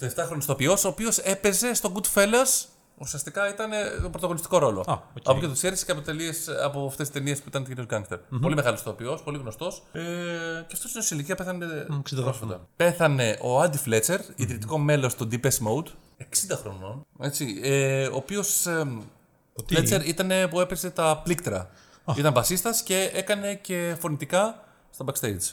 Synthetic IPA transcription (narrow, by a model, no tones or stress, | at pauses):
t̪oeft̪ɐxɾonost̪o̞pio̞so̞ːpio̞se̞pe̞ze̞st̪o̞ɡud̪fe̞lɐs | usiɐst̪ikɐit̪ɐne̞t̪opɾot̪ɐɣo̞nist̪i̥ko̞ɾo̞lo̞̰ɐ̰pocet̪t̪iseɾisi̥ceɐpot̪e̞liesɐ̰poɐft̪esi̥t̪e̞nie̞spuit̪ɐnt̪ociɾioɡɐŋkst̪eɾppo̞limeɣɐlost̪o̞pio̞spo̞liɣno̞st̪o̞seceɐft̪o̞sinesiliciɐpe̞θɐnepɾosfɐt̪ɐ̰pe̞θɐne̞ʔo̞ɐd̪ifle̞t͡se̞ɾiðɾit̪iko̞me̞lo̞st̪od̪ipesmowd̪ | e̞ksind̪ɐxɾo̞no̞ne̞t͡sieo̞ːpio̞s | let͡seɾit̪ɐne̞pue̞pese̞t̪ɐplikt̪ɾɐ̰ | it̪ɐɱvɐsist̪ɐsce̞ekɐne̞ce̞fo̞nit̪ikɐ | st̪ɐbɐkst̪ejd̪z